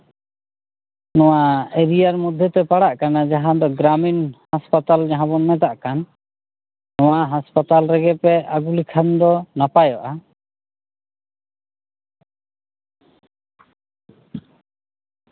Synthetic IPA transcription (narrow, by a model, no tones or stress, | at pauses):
nɔwaeɾijaɾmɔd̪ʱːɛt̪ɛpaɽaʔkanad͡ʒaɦãd̪ɔɡɾaminhaspat̪ald͡ʒaɦãbɔnmɛt̪aʔkanː | ɔwaʔɦaspat̪alɾɛɡɛpɛaɡulikʰand̪ɔnapajɔʔa